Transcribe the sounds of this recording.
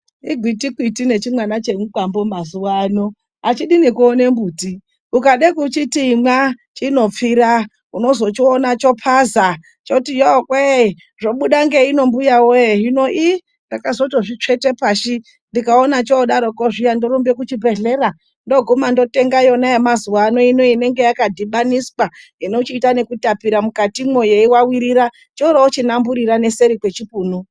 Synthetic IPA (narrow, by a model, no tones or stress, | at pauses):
iɡʱwitikwitine̞t͡ʃimwanat͡ʃe̞nukwambomazuwaːno | at͡ʃiɗinekuonembuːti | ukaɗekut͡ʃitimwat͡ʃino̞p͡fiɾa | uno̞zo̞t͡ʃionat͡ʃo̞pʰaza | t͡ʃotijokwe | ʐoɓuɗaŋɡeino̞mbujawojeɦinoʔi | ndakazo̞toʐit͡ʂe̞te̞paːʃi | ndikaonat͡ʃoɗaɾokoʐijandoɾumbekut͡ʃibʱe̞ɮe̞ɾa | ndo̞ɡʱumando̞te̞ŋɡajo̞naemazuwaːno̞inoine̞ŋɡe̞jakadʱiɓaniswainot͡ʃiːtane̞kutapiɾamukatimwojeiwawiɾiɾa | t͡ʃouɾaot͡ʃinambuɾiɾane̞se̞ɾikwe̞t͡ʃipuːnu